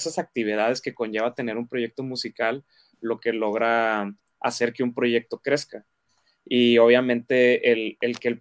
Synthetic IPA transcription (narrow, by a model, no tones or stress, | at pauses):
sasak̚t̪iβ̞ið̞að̞e̞ske̞ko̞ɲʝe̞βat̪e̞ne̞ɾumpɾo̞ʝe̞k̚t̪o̞musikalː | o̞ke̞lo̞ɣɾa | a̰se̞ɾkeumpɾo̞ʝe̞k̚t̪o̞kɾe̞ska | io̞β̞jamẽ̞nt̪e̞ːlelkel